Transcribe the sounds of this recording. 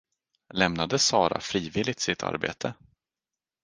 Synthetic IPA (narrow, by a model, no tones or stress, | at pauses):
lɛmnad̪əsɑːɾa̰fɾiːvɪlɪt̪sɪt̪ʰa̰ɾbḛːt̪ʰə